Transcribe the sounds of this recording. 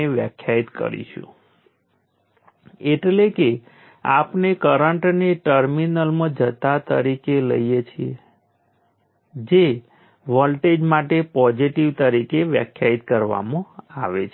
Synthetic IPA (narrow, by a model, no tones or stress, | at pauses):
eʋjə̰kʰjait̪kə̰ɾḭʃṵ̃ | eʈleke | a̰pnekəɾəɳʈneʈəɾminəlmə̃d͡ʒət̪at̪ə̰ɾikelə̰jjet͡ʃʰie | d͡ʒe | ʋɔlʈed͡ʒmaʈepɔd͡ʒiʈiʋt̪əɾikeʋjə̰kʰjait̪kəɾʋa̰mõaʋḛt͡ʃʰ